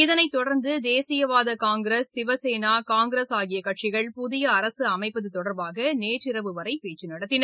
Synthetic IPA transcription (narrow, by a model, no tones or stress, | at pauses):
ɪðɐnɐɪt̪ːɔɽɐɾnd̪ɯd̪eːsɪjɐʋaːðɐkaːŋɡɪɾɐsːɪʋɐseːnaːkaːŋɡɪɾɐsaːɣɪjɐkːɐʈt͡ʃɪɣɐɭpʊðɪjɐːɾɐsɯɐmɐɪpːɐðɯt̪ːɔɽɐɾbaːɣɐneːʈrɪɾɐʋɯʋɐɾɐɪpeːt͡ʃːɯnɐɽɐt̪ːɪnɐɾ